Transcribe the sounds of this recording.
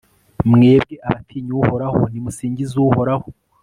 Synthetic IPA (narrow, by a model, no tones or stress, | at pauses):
mŋe̞ːbɡe̞ʔaβatʰiːɲuho̞ɾaho̞̰nimusiːɲɟizuːho̞ɾaho